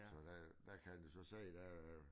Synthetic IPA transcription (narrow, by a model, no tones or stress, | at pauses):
sɒ̽d̥æd̥ækʰænjusɒ̽sḛːd̥æ